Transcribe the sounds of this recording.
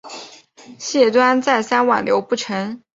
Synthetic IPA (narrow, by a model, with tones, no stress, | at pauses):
ɕjɛ˥˩t̪wa˥nt͡sa˥˩ɪsa˥nwa̰˨˩nljo˧˥ʊpu˥˩ʈ͡ʂʰɤ˧˥ŋ